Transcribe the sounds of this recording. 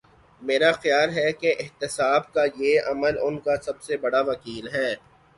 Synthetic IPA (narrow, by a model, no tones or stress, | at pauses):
meːɾaxjaːlɦɛkeʔɪɦt̪ɪsaːbkajeɐməlʊnkasɐbsebɐɽaʋɐkiːlɦɛː